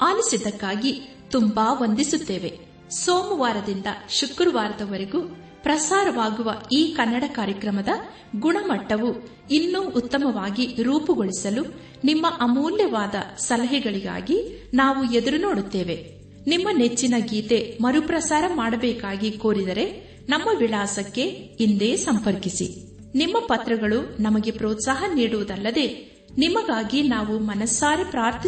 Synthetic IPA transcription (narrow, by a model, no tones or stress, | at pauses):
aːlisid̪ɐkːaːɡi | t̪umbaːʋond̪isut̪ːe̞ːʋe̞ | soːmuʋaːɾɐd̪ind̪ɐ̰ʃukɾuʋaːɾɐd̪ɐʋɐɾeɡu | pɾɐsaːɾɐʋaːɡuʋɐiːkɐnːɐɽɐkaːɾjɐkɾɐmɐd̪ɐ | ɡuɳɐmɐʈːɐʋu | inːuːʔːt̪ːɐmɐʋaːɡiɾuːpuɡoɭisɐlu | nimːɐʔɐmuːljɐʋaːd̪ɐ̰sɐlɐɦiɡɐɭiɡa̰ːɡinaːʋued̪uɾuno̞ːɽut̪ːeːʋe̞ | nimːɐne̞t͡ʃːinɐɡiːt̪e̞mɐɾupɾɐsaːɾɐmaːɽɐbɛːkaːɡikoːɾid̪ɐɾe̞ | nɐmːɐʋiɭaːsɐkːe̞ind̪e̞ːsɐmpɐɾkisḭ | nimːɐpɐt̪ɾɐɡɐɭunɐmɐɡe̞pɾoːt̪saːɦɐniːɽuʋɐd̪ɐlːɐd̪e̞ː | nimɐɡaːɡinaːʋumɐnɐsːaːɾipɾaːɾt̪ʰi